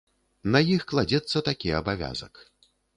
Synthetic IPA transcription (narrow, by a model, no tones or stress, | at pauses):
nɐjixklˠad͡zʲɛt̪sːɐt̪akʲiɐbavʲa̰zɐ̰k